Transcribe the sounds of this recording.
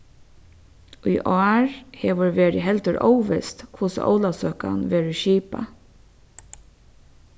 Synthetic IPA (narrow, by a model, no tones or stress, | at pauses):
ujʔɑːɹheːʋəɹʋeːɹɪ̰ɦɛlt̪əɹʔɔ̰wʋɛst̪kʰʊsʔo̰wlasœːka̰nʋeːɹəʃiːpa̰